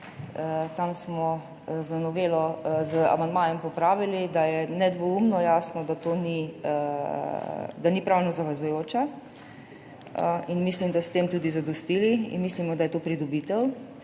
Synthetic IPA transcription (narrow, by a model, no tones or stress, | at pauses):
ət̪amsmɔ | zanɔʋeːlɔzəa̰mand̪maːjɛmpɔpɾaːʋilid̪ajɛnɛd̪ʋɔumnɔjaːsnɔd̪at̪oːni | d̪anipɾaːwnɔzaʋɛzujoːt͡ʃa | inmislimd̪ast̪eːmt̪uːd̪izad̪ɔst̪iliḭnmislimɔd̪ajɛt̪oːpɾid̪ɔbit̪ɛw